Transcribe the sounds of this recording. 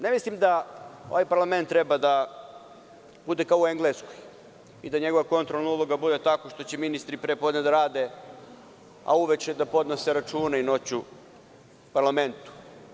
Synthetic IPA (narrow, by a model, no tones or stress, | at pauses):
ne̞mislimd̪ao̞̰ʋajpaɾlˠame̞nt̪ːɾe̞bad̪a | b̥ud̪e̞kaoueŋɡleskoj | id̪aɲe̞ɡo̞ʋako̞nt̪ɾolaulˠoɡabud̪e̞t̪ako̞ʃt̪o̞t͡ɕeminist̪ɾipɾepo̞d̪ned̪aɾaːd̪e | a̰uʋet͡ʃɛd̪apo̞d̪noseɾat͡ʃuːnaino̞t͡ɕu | paɾlame̞nt̪u̥